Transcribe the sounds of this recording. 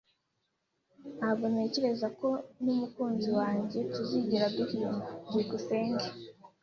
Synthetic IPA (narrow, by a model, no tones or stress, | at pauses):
aβone̞ːceɾe̞zako̞numukuːnziwaːɲɟe̞tuziɟiɾabɡiɾiːmadiɡuseːŋɡe